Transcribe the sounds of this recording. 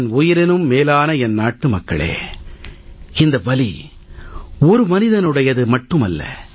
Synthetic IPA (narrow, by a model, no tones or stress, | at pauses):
nʊjɪɾɪnɯmːeːlaːnɐɛnnaːʈːɯmɐkːɐ̰ɭḛː | ɪnd̪ɐʋɐli | ɔɾɯmɐnɪðɐnɯɽɐjɐðɯmɐʈːɯmɐlːɐ̰